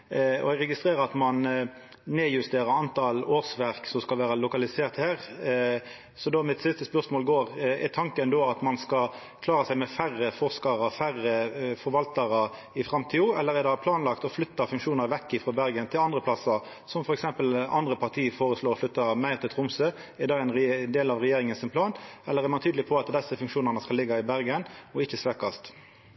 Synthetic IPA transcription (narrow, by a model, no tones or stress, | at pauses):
ɔ̰ɛɡʁɛɡɪst̪ʁeːɾʁəɾɑt̪mɑn | neːjʉst̪eːɾəɾɑnt̪ʰɑːloːsʋæʁksɔmskɑlʋæːɾɑlʊkɑlɪseːʁt̪hæːʁ | sɔd̪oːmɪt̪sɪst̪əspœʁsmoːlɡoːɾɛt̪ʰɑŋkənd̪ɔɑt̪mɑnskɑ | kʰlɑːɾəsæɪmɛfærːəfɔʁskɑɾəfæʁəfɔɾʋɑlt̪ɑɾə | ɪfɾɑmt̪ʰiːʊɛlːəɾæd̪ɑpʰlɑːnlɑkt̪ɔflʏt̪ːɑfʉŋkʂuːnəɾʋɛkːɪfʁɑːbæɾɡənt̪ʰɪlɑnd̪ʁəpʰlɑsə | sɔmfɔɾɛksɛmpəlɑ̰nd̪ɾəpʰɑʁt̪ʰiːəfoːɾəsloːʁɔflʏt̪ːɑmæɪʁt̪ʰɪlt̪ʰʁʊmsø | æʁd̪ɑɛɪnd̪eːlɑʋʁɛjeːɾɪŋənsɪnpʰlɑːnɛlːəʁæɾmɑnt̪ʰyːd̪lɪpʰɔɑt̪d̪ɛsːəfʉŋkʂuːnəʁnəskɑlɪɡːɑɪbæɾɡənɔɪçːəsʋeːkɑst̪